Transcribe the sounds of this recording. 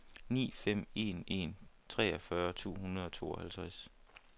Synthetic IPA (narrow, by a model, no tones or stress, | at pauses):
nḭːfem̰e̝̰ne̝̰ːnt͡sʰʁɛ̰ːɒfɶːɐt͡sʰo̝̰ːɦunɐð̞ˠɒ̽t͡sʰo̝̰ːɒ̽hælt͡sʰʁɛs